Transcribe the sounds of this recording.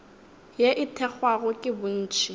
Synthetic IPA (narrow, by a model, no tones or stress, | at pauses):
jeʔɪtʰɛk͡xwaɣʊkʼɪbʊn̩ːt͡ʃʰi